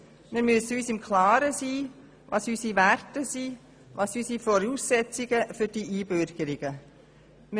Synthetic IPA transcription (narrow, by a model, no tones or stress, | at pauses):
mɪɾmyəsyːsɪmkʰlɑːɾəsiː | ʋɑ̰ːsysiværtəsiː | ʋɑːsysifɔɾuːsːɛt͡sɪɡ̥əfʏɾd̥iʔiːbøɾɡ̥əɾɪɡ̥ə | m